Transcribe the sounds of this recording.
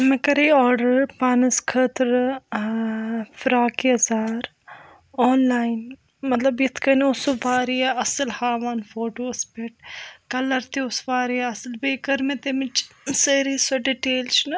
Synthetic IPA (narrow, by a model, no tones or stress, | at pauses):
mẽkɐɾeɔːɾɖəɾpaːnɐskʰəːt̪ɾ | fʰɾaːkiɐzaːɾ | ɔːnlaːin | mɐt̪lɐbɪt̪ʰkɐniʊsoʋaːɾiaɐsəlhaːʋaːnfoːʈoːɐspeʈkɐlɐɾt̪iʊsʋaːɾijaɐsəlbeːkɐɾmẽt̪emɪt͡ʃsəːɾiːsoɖiʈeːlt͡ʃʰnɐ